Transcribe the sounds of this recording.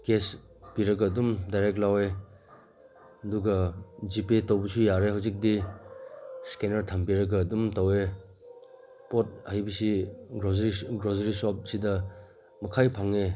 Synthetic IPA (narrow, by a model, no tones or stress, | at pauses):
kes | piɾɐɡɐːdumdajɾek̚t̚lawe | ɐduɡɐd͡ʒipetɐwbɐsujaɾeɦawzik̚di | skenɐɾtʰɐmpiɾɐɡɐːdumtawe | pɔt̚ajbisiɡɾozɾiɡɾozeɾisɔp̚sidɐ | mɐkʰajpʰaŋe